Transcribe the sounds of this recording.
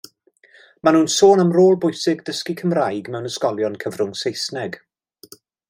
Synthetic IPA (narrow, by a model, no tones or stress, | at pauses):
manuːnsoːnəmroːlˠbʊjsɪɡdəskikʰəmrajɡmɛwnəskɔlˠjɔnkʰəvrʊŋsejsnɛɡ